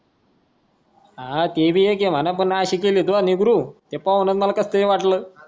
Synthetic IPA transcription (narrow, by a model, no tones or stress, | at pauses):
ɦat̪ebʱijek̬em̤anap̬ənːaaɕiːkeliːd̪uaniɡɾuːt̪epaʋnət̪məlakəst̪əɾeʋaʈləː